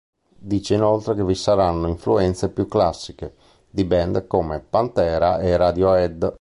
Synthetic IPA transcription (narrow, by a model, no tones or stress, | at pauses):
d̪iːt͡ʃeinolt̪ɾekevisaɾanːoiɱfluɛnt̪sepjukːlasːike | d̪ibɛnd̪komepant̪ɛːɾaerad̪joɛd̪